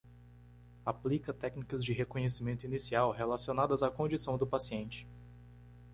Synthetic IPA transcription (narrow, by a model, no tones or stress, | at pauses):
aplikɐt̪ɛknikɐzd͡ʒɪɦekõɲesimẽnt̪ʊinisiawɦelasionad̪ɐzakõd͡ʒisɐ̃w̃d̪ʊpasiẽnt͡ʃɪ̥